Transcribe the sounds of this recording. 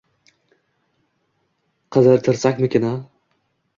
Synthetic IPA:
qʰɨzɨɾt̪ʰɪɾsakʲmɪkʲʰɪna

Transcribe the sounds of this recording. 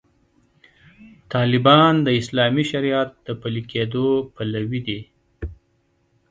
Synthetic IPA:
t̪ɑːlɪbɑnd̪əɪslɑːmiʃaɾijat̪̚d̪̥əpəlikʰed̪opalawid̪i

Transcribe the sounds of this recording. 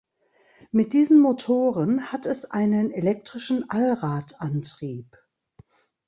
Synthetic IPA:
mɪt̚d̥iːzn̩motʰoːʁənhatɛsʔaɪnənelɛk̚tʁ̥ɪʃn̩ʔalʁaːtʔantʁ̥iːp

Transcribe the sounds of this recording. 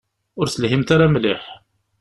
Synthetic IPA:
ʊɾsəlɦimt̪aɾamlɪħ

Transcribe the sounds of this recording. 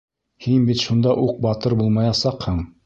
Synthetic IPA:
hinbit̪ʃund̪ɑʔuq̚bɑt̪ɤɾbulˠmɑjɑsɑqhɤɴ

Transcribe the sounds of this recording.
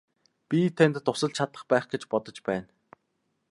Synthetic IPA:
pʲit̪ʰent̪ːʊsə̆ɮt͡ɕʰat̪ə̆χpæːχɡet͡ɕpɔt̪ɞ̆t͡ɕpæːn

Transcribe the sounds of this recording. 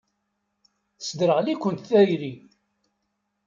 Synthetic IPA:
θsd̪ɾəʁlikʷːənt̪θæjɾi

